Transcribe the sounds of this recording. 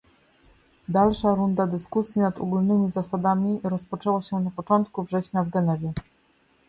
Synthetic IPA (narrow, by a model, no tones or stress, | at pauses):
d̪alʂaɾund̪ad̪ɘskusʲjinat̪ɔ̰ɡulnɘmʲizasad̪amʲiɾɔspɔt͡ʂɛwaɕɛnapɔt͡ʂɔnt̪kuvʐɛɕɲavɡɛnɛvʲjɛ